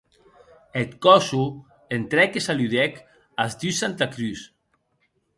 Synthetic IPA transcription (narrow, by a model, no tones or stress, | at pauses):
et̪kɔsu | ent̪ɾɛkesalyðɛk | azd̪ysant̪akɾys